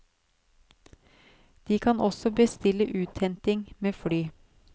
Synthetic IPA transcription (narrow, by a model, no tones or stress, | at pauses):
d̪̥iːkʰɑnʔɔsɔbəst̪ɪləʔʉːt̪ʰhɛnt̪ɪŋmeːfɽyː